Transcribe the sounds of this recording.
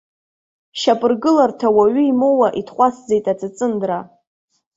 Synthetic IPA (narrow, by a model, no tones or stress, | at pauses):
ʃapʼɨrɡɨlartʰawaɥɨimowaʔitʰχʷasd͡zejtʼat͡sɨt͡sʼɨndra